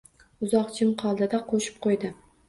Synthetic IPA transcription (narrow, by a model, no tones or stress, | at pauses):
ʊzɒqt͡ʃʰɪmqʰɒlˠd̪ɪd̪aqʰoʃɪ̥p̚qʰojd̪ɪ